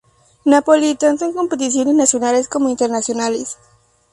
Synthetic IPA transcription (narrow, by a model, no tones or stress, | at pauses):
napolit̪ansoŋko̞mpe̞t̪̬isjo̞nesnasjo̞nalesko̞moint̪eɾnasjo̞nales